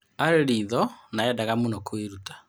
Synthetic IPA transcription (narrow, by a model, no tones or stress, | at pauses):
aɾeɾiːðɔnaɛdaɣamunɔkoeɾutḁ